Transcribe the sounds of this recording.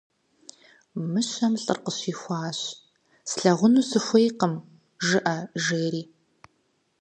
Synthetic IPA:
mɨɕɐmɬʼɨ̰rqəɕiːxʷɑːɕ | sɬɐʁʷʊnuːsɨxʷejqəm | ʒɨʔɐʒeːɾiː

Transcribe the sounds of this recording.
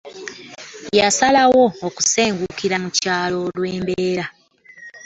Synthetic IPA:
jasalawo̞ːku̥se̞ːŋɡukiɾamucaːlo̞lwe̞ːmbeːɾa

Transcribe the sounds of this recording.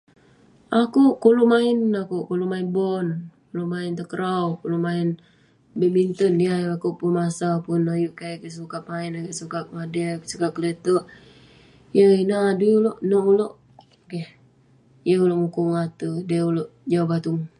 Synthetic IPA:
akuʔkoloʔmaɪnakukoloʔmaɪnbɔnkoloʔmaɪnt̪əkəɾawkoloʔmaɪn | bəmint̪ənjəakupunmasapunojuʔkakəs̬ukaʔ̚mainakesukap̚ŋadəsukakələt̪əʔ | jəinaaduuloʔnoʔuloʔ | keh | jəuloʔŋukuŋat̪udəuloʔd͡ʒawabat̪uŋ

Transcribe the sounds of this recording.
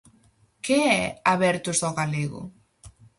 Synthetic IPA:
keɛaβɛɾt̪ʊzaɣaleɣʊ̰

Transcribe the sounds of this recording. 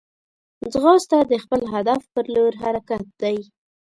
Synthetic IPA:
d͡zɣɑst̪ad̪əxpəlɦad̪afpəɾloɾɦaɾakat̪̚d̪aj

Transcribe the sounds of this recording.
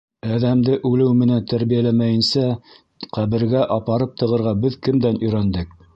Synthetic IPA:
æðæmd̪ɘʔʉlɘwmɘ̆nænt̪æɾβijælæmæjɘ̆nsæ | qæβɘ̆ɾɡæʔɑpɑɾɤp̚t̪ɤ̆ʁɤ̆ɾʁɑbɘðkɘ̆md̪ænɵ̆jɾænd̪ɘk̚

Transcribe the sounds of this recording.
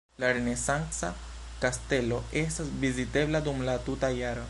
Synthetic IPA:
laɾene̞sansa | kaste̞lo̞e̞s̬tasvizite̞bladumlatutajaɾo

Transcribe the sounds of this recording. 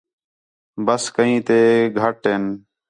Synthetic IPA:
bəskəɦĩːt̪eːɡʱəʈɦeːn

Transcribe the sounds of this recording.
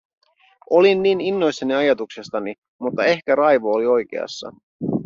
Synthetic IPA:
o̞linːiːninːo̞jsːɑniɑjɑt̪uksest̪ɑni | mut̪ːɑe̞hkæɾɑjʋoːlio̞jk̟ḛɑ̰sːɑ̰

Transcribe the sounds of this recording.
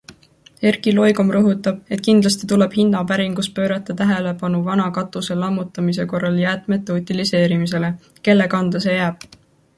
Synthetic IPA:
e̞rkilo̞jɡ̥omrɤɦut̪ːˑɑb̥̚e̞t̪̚ːˑkind̪lɑst̪it̪ule̞b̥hinːɑpæɾiŋɡ̥uspø̞ːɾɑt̪ːˑɑt̪æɦe̞le̞pɑnuvɑnɑkɑt̪ːˑuse̞lɑmːut̪ːˑɑmis̬e̞ko̞rːɑljæːt̪ˑme̞t̪ːˑeut̪ʲilise̞ːɾimis̬e̞le̞ | ke̞lːe̞kɑnd̪̥ɑse̞jæːb̥̚

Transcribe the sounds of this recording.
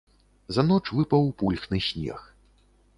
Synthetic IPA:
zanɔt͡ʂvɨpɐwpulʲxnɨsʲnʲɛ̰x

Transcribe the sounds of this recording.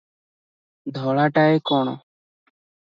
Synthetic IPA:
d̪ʱoːɭaːʈaːeːkoːɳo̰ː

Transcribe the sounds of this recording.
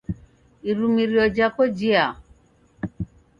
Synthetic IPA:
iɾumiɾiɔd͡ʒakɔd͡ʒia

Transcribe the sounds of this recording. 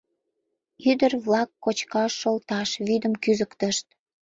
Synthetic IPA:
yd̪ərβlɑkːot͡ɕkɑʃːolt̪ɑʃβyd̪əmkyzəkt̪əʃt̪̚

